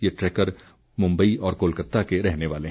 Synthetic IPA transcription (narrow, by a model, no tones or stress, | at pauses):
jeʈɾɛːkəɾ | mʊ̃mbəiʔɔːɾkoːlkət̪ːakeɾɛɦneʋaːleɦ